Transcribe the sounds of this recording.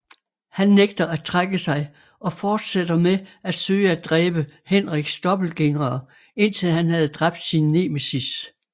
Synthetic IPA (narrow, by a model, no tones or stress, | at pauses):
hænːeɡ̥d̥ɐʔæt͡sʰʁaɡ̥əsɑ̈ɪ | ʔɒ̽fɒːd̥sed̥ɐmeæd̥søːɪəæd̥ʁɛːb̥əhenʁiɡ̥sd̥ɒ̽b̥l̩ɡ̥e̝ŋʁɐː | e̝n̰t͡sʰe̝lhænɦæð̞̩ˠd̥ʁɑ̈b̥d̥sinːeːmesis